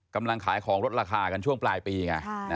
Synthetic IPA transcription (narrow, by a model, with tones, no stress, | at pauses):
ka˧mla˧ŋkʰaː˩˦jkʰɔː˩˦ŋɾo˦˥t̪̚ɾaː˧kʰaː˧ka˧nt͡ɕʰu˥˩əŋplaː˧jpiː˧ka̰˧˩n˦˥